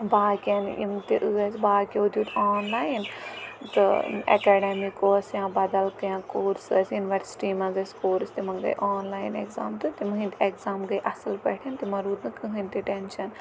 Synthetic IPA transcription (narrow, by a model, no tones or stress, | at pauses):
baːkʲɐnḭmt̪iʔuɐsbaːkʲeud̪uːt̪aːnlaːjnt̪ɨ̰ḛkeːɖemikoːsjãːbɐd̪ɐlkɐjãːkoːɾsɐsjuniʋɐɾsʈimɐ̃zɐskoːɾst̪imɐnɡɐ̰ḭʔaːnlaːinḛkza̰ːmt̪ɨt̪imɐɦĩnt̪ekzaːmɡɐiʔɐsɐlpɐ̰ʈʰint̪imɐɾuːd̪nɨkɨɦɨ̃nt̪iʈenʃɐn